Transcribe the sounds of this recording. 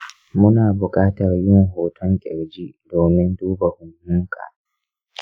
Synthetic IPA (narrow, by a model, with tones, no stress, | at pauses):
mʊ˦naː˨bʊ˨kʼaː˦tɐ˨rjɪ˦wŋɦoː˨tʰɔ˦ŋkʲʼɛ˨ɾd͡ʒiː˦doː˨mɪ˦nduː˦ba˨hʊ˨nhʊ˦ŋkʰa̰ː˨